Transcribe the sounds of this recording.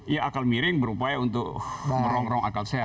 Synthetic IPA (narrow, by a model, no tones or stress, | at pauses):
jaʔakalmiɾɪŋbəɾupajaunt̪ʊkmməɾɔŋɾɔŋa̰kalse